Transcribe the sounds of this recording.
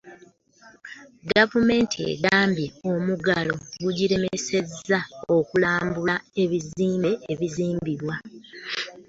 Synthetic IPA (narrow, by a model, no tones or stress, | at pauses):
ɡavume̞ːntʰiḛɡaːmbje̞omuɡalo̞ɡuɟiɾe̞mese̞zao̞kulaːmbulae̞βiziːmbe̞ʔeβiziːmbiɾwa